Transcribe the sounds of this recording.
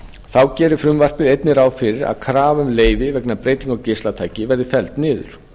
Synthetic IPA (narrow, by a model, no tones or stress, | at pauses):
θawcɛːɾʏfɾʏmvar̥pɪðejt̪nɪɾaːwfɪɾɪɾa̰ðkʰɾaːvʏmleːjvɪvɛknapɾeːjt̪iŋkɔwcɪstlat̪ʰaːjcɪvɛɾðɪfɛlt̪nɪːðʏ̰ɾ̥